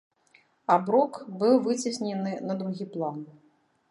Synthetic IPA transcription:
abɾɔkbɨwvɨt͡sʲisʲnʲɛnɨnɐd̪ɾuɣʲiplˠan

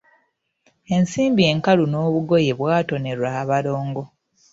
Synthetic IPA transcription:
e̞nsiːmbie̞ŋkaluno̞ːβuɡo̞je̞βwaːto̞ne̞ɾwaβalo̞ːŋɡo̞

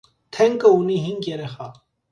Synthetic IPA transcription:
t̪ʰɛŋkəuniɦiŋɡjɛɾɛχa

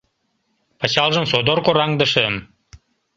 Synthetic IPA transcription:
pɑt͡ɕɑlˠʒə̆msod̪orkoɾɑŋd̪ə̆ʃəm

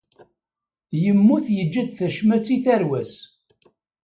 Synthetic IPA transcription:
jəmːuθjəd͡ʒːəd̪θæʃmæt͡sːiθæɾwæs

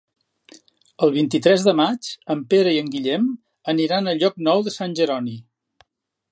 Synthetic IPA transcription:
əlˠβint̪it̪ɾɛzðəmat͡ʃəmpeɾəiəŋɡiʎɛm | əniɾanəʎɔk̚nɔwðəsanʲʒəɾɔni

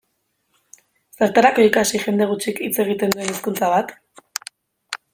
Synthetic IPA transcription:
saɾt̪aɾako̞ikasixe̞nd̪e̞ɣ̞ut͡ʃikit͡se̞ɣ̞it̪e̞nd̪ue̞niskunt͡saβat̪

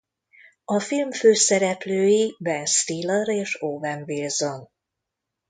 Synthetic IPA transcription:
ɒfilmføːsɛɾɛpløːjibɛnst̪iːlɔɾeːʃoːvɛɱvilzon

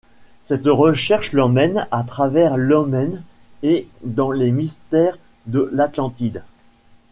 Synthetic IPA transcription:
sɛt̪ʁəʃɛʁʃlɔmɛnat̪χavɛʁlɔmɛn | ed̪ɑ̃lemist̪ɛʁ | d̪əlat̪lɑ̃t̪id̪

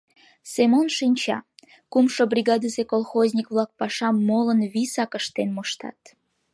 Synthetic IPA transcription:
semonʃinʲt͡ɕɑ̰ | kumʃobrʲiɣɑd̪əsekolˠxozʲnʲikβlɑk̚pɑʃɑmːolənβisɑkəʃt̪enmoʃt̪ɑ̰t̪

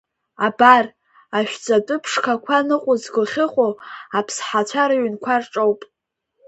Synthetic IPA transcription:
abar | aʃᶣd͡zʼatʼʊpʰʂkʰakʷʰanɨqʼʊzɡɨlχʲɪχʷʼoapʰsħat͡ʃʷʰaɾaɥʏnkʷʰarʈ͡ʂʼowpʼ

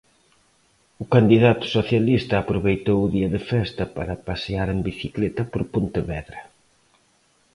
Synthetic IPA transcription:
ʊkand̪iðat̪ʊ̥soθjalist̪ɐːpɾoβejt̪owʊðiɐðɪfɛst̪ɐpaɾɐpaseaɾembiθiklet̪ɐpoɾpont̪ɪβɛðɾɐ

